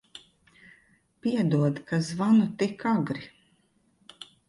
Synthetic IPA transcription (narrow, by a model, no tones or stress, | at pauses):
piɛd̪uɔd̪kazvanut̪ikaɡɾi